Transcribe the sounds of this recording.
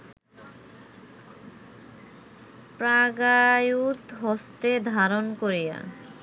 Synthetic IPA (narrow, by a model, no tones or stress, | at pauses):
pɾaɡajut̪ɦɔst̪ed̪ʱaɾonkoɾija̰